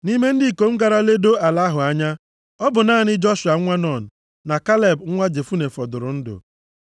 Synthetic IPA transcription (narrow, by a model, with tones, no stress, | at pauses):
ni˦me˦n̩˦dɪ˦˨ko˨m̩˦ɡa˨ɾa˦le˦do˦a˨la˦ɦʊ˨a˦ɲa˦ | ɔ˦bʊ˨naː˦˨nɪ˦d͡ʒɔ˦ʃʊ˨a˨˦ŋʷa˦nɔ˦˨n̩˨ | na˨ka˦le˨bŋ̩˦ŋʷa˦d͡ʒe˨fu˦ne˨fɔ˨dʊ˨ɾʊ˨n̩˦dʊ̰˨